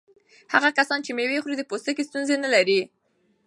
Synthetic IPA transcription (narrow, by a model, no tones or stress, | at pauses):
ha̰ɣakasɑnt͡ʃemewexɾid̪əpost̪əkest̪unzenalaɾi